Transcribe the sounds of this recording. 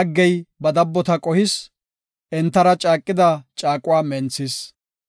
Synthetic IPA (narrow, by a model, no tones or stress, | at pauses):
ɡːɛjbɐd̪ɐbːɔt̪ɐkʼɔhɪs | ʔɛnt̪ːɐɾɐt͡ʃʼaːkʼːɪd̪ɐt͡ʃʼaːkʼʊwaːmɛnt͡sːɪs